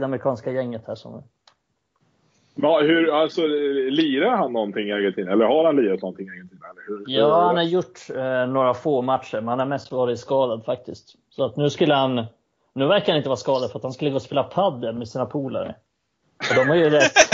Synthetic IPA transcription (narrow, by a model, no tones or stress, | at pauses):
d̪aməɾɪkʰɑːnskajɛŋːət̪hæ̰ːʂɔ̰m̰ | ɑhɵɾasɔliːɾaɾhanːɔnt̪ʰɪŋːɪɛːɡənt̪iːd̪nɛlːəɾhaɾhanliːɾat̪nɔnt̪ʰɪŋɪɛɾɡənt̪ʰiːd̪ənɛlːəɾhɵjɑːhanhaɾjʊʈːnoːɾafoːmat̪ːʃəɾmɛnhanhaɾmɛst̪vɑːɾɪt̪skɑːd̪ad̪fak̚t̪ɪst̪ | sɔat̪nʉ̟ːskɵlːəhan | nːʉ̟ːvæɾkaɾhanɪnt̪əvɑːɾaskɑːd̪ad̪fœɾat̪hanskɵlːəɡoːɔspeːlapʰad̪ːəmɛsiːnapʰuːla̰ɾə̰ | ɔd̪ɔmhaɾjɵɾɛt̪ː